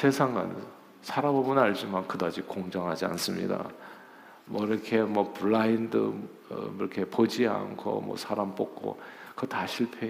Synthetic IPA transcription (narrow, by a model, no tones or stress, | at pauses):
sʰe̞sʰaŋɡa̰n | sʰaɾabobɯnaɭd͡ʑimankɯdad͡ʑikoŋd͡ʑʌŋɦad͡ʑia̰ns͈ɯmɲḭda̰ | mwʌiɾʌkʰe̞mwʌpuɭːaindɯ̰ | ɾʌkʰe̞pod͡ʑia̰ŋkʰo̰mwʌ̰sʰaɾamp͈ok̚k͈o̰kɯtaɕʰiɭpʰe